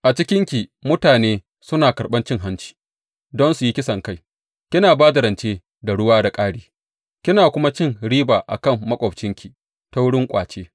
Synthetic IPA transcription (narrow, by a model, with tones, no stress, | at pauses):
ʔa˨t͡ʃɪ˦kʲɪ˦ŋkʲi˨mʊ˦taː˨neː˦ | sʊ˦naː˨kɐ˨ɽɓɐ˦nt͡ʃɪ˦ŋɦa˦nt͡ʃi̥ː˨ | dɔ˦nsu˨ji˦kʲɪ˦sɐ˨ŋka˦˨j | kʲɪ˦naː˨baː˦da˨ɾɐ˨nt͡ʃeː˦ | da˨ɽʊ˦waː˦da˨kʼaː˦ɽiː˦ | kʲɪ˦naː˨kʷʊ˦ma˦t͡ʃɪ˦ŋɽiː˦baː˨ʔa̰˨kɐ˦mːɐ˦kʷʼɔ˨p̚t͡ʃɪ˦ŋkʲi˨ | ta˦wʊ˦ɽɪ˦ŋkʷʼa̰ː˨t͡ʃeː˦